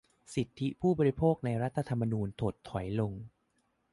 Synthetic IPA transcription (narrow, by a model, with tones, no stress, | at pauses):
si˨˩t̪ʰːi˦˥pʰuː˥˩bɔː˧ɾi˧˥pʰoː˥˩k̚na˧jɾa˦˥t̪ʰːa˧t̪ʰa˧mːa˧nuː˧nt̪ʰoː˨˩t̪ʰːɔ˩˦jlo˧ŋ